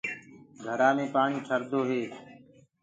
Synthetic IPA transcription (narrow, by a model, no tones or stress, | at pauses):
ɡʱəɾaːmẽːpaːɳ̃iːʈʰəɾd̪oːɦeː